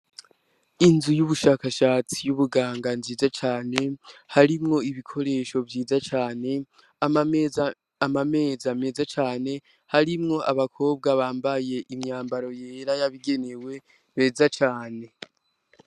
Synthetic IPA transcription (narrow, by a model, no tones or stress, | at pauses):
inzujuβuʃaːkaʃaːt͡sijuβuɡaːŋɡanziːzat͡ʃaːne̞haɾimŋo̞iβikʰo̞ɾe̞ːʃo̞vjiːzat͡ʃaːne̞ | amame̞ːzame̞ːzat͡ʃaːne̞ | haɾimŋo̞ʔaβakʰo̞ːb̚ɡaβaːmbaje̞ʔimɲaːmbaɾo̞jeːɾajaβiɡe̞ne̞we̞ | me̞ːzat͡ʃaːne̞